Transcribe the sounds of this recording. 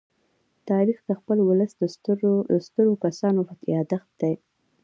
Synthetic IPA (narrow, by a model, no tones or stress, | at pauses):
t̪ɑɾixd̪əxpəlwʊləsd̪əsst̪əɾokasɑnohat̪jɑd̪əxt̪̚d̪̥aj